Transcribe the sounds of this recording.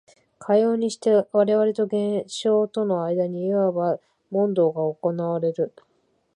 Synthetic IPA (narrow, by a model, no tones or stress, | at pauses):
kʰajo̞ːɲ̟iɕi̥t̪e̞βaɾe̞βaɾe̞t̪o̞ɡẽ̞ɰɕo̞ːt̪o̞no̞aid̪aɲ̟iiβaba | mõ̞nd̪o̞ːɡaoko̞naβaɾe̞ɾɯ̟